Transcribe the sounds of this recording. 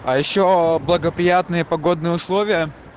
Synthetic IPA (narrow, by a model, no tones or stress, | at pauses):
ɐjɪɕːoblˠəɡəpɾʲɪjat̪nɨjəpɐɡo̞d̪nɨjəʊslˠovʲɪjə